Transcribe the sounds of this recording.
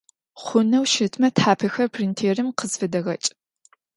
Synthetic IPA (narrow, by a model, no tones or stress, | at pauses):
χʷʊnɐwʃɪtʰmɐtʰħaːpʰɐxɐrpʰrintʰeːrɨmqəzfɨdɐɣɐt͡ʃʼ